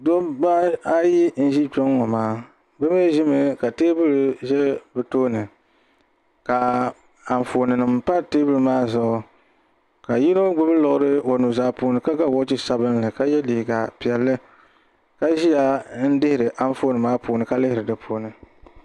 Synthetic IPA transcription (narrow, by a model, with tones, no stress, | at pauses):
do˦ba˦a˦ji˦n̩˦ʒi˦t͡ʃɔ˦ŋː˦ɔ˨maː˦ | bɛ˦me˦ʒi˦mɨ˦ka˨teː˦bɨ˦lʒɛ˦bɨ˨toː˦nɨ˨ | ka˨ | a˨ɱ˨foː˨nɨ˨nɨ˨mpa˦teː˦bɨ˦lmaː˦zʊ˨ | ka˨ji˦no˦ɡ͡bʊ˦bɨ˦lɔ˨ʔʊ˦ɾɨ˦o˨nu˨zaː˦poː˨nɨ˨ka˦ɡa˦˨wo˦t͡ʃi˦sa˦bɨ˦nlɨ˨ka˦jɛ˦lɪ˨hɡa˨pi˨ɛ˨lːɨ˦ | ka˦ʒi˦ja˦n̩˦dɪ˦hɪ˨ɾɨ˨ʔa˦n˦foː˦nɨ˨maː˦poː˨nɨ˨ka˦lɪ˦hɪ˨ɾɨ˨dɨ˨pʰoː˨nɨ˨